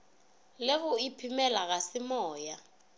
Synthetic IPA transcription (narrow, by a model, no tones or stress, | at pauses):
leɣʊipʰimɛlaɣasɪmɔːja